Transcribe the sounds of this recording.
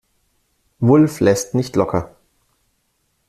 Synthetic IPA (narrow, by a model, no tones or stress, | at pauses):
vʊlflɛstnɪçtlɔkʰɐ